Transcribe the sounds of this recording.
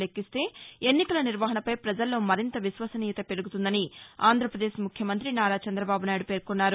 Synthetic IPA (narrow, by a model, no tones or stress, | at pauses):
lekːist̪e̞ːenːikɐlɐniɾʋɐɦɐnɐpɐjpɾɐd͡ʒɐlːo̞ːmɐɾint̪ɐʋiʃʋɐsɐniːjɐt̪ɐpe̞ɾuɡut̪und̪ɐniaːnd̪ʱɾɐpɾɐd̪eːʃmukʰjɐmɐnt̪ɾinaːɾaːt͡ʃɐnd̪ɾɐbaːbunaːjɽupeːɾkonːaːɾu